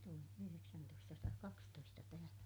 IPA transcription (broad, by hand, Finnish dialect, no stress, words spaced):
tulin yhyreksæntoistɑsɑtɑːkɑkstoistɑ tæhæn̞